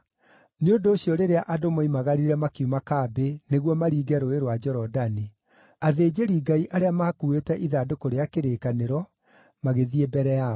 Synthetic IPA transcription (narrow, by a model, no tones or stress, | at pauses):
neondoːɕijɔɾeɾeaʔadomoimaɣaɾiɾɛmakiumakaːbeneɣwɔmaɾiːɡɛɾoeɾwad͡ʒɔɾɔdani | aðeːd͡ʑeɾiːɡaiʔaɾeamaːkuːetɛʔiðadokoɾeakeɾeːkaneɾɔ | maɣeðiebɛɾɛa